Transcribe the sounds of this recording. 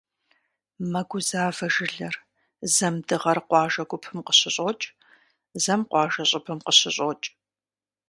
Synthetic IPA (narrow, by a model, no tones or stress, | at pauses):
mɐɡʷʊzaːvɐʒɪɮɐr | zɐmdɨʁɐrqʷɑːʒɐɡʷʊpʰɨmqə̥ɕɪɕʼot͡ʃʼ | zɐmqʷɑːʒɐɕʼɪpʰɨmqəɕɪɕʼot͡ʃʼ